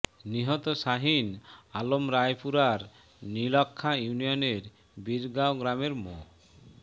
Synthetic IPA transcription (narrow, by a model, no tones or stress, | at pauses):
niɦɔt̪oʃaɦinalomɾajpuɾaɾ | nilɔkʰːajunioneɾ | biɾɡaoɡɾameɾmo